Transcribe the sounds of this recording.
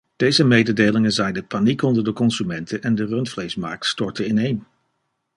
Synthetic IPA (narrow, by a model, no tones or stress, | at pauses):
d̥ejzəmejdədejlɪŋənzɛjndəpanikɔndəɹdəkɔnzymɛntʰənʔɛndərɵntflejsma̰ːɹk̚tstɔɹtəɪnejn